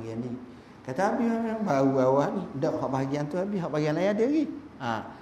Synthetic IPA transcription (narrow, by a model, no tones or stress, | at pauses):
ɡianːi | kat̪aːbihɔʔnanbauawandɔʔɦɔʔbaaɡiant̪uabiɦɔʔbaɡianlajadəaɡia